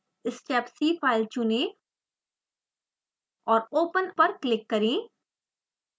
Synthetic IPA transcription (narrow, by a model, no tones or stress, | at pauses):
ɪsʈeːpsiːpʰaːɪlt͡ʃʊnẽː | ɔːɾoːpənpɐɾklɪkːɐɾẽː